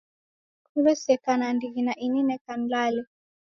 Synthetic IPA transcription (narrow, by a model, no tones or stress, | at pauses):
kulɛsɛkanandiɣinaʔininɛkanlalɛ